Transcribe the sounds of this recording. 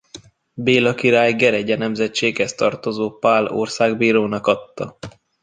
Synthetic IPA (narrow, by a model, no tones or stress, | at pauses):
beːlɒkiɾaːjɡɛɾɛɟɛnɛmzɛt͡ʃeːɡhɛst̪ɒrt̪o̞zoːpaːlo̰rsaːɡbiːɾoːnɒkɒt̪ːɒ